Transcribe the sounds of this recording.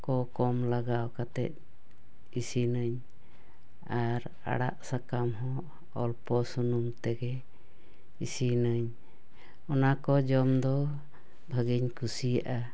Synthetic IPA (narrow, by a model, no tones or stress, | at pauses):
kɔkɔmlaɡawkat̪ɛ̰t̪̚ | isinəɲ | aɾ | a̰ɽa̰ʔsakamɦɔ̃ | ɔlpɔsunumt̪ɛɡɛ | isinəɲ | ɔnakɔd͡ʒɔmd̪ɔ | bʱaɡiɲkʰusijaʔa